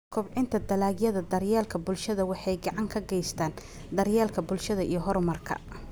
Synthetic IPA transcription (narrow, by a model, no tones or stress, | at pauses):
kʰʊbʕɪnt̪ʰɐd̪ɐlaːɣjɐðɐd̪ɐrjaːlkʰɐbʊlʃɐðɐwɑħɑjɡɑʕɑŋkʰɐɡɛjst̪ʰaːn | d̪ɐɾjaːlkʰɐbʊlʃɐðɐʔijɞɦɔɾmɐrkʰɐ̰